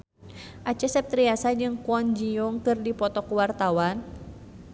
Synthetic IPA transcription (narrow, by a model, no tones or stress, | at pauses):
ʔat͡ʃɛsɛp̚t̪ɾiasad͡ʒɨŋkuɔnd͡ʒiɔŋkɨrdipɔt̪ɔkuwart̪awan